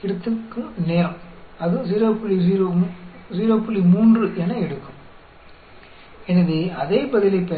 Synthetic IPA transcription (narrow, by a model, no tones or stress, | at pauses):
ɪɽɯt̪ːɯkːɯneːɾɐɐðɯ̃ziːɾoːpːʊliziːɾoziːɾoːpːʊlimuːndrɯʔɛnɐɛɽɯkːɯ̥m | ɛnːɐðeɐðeːpɐðɪlɐpːe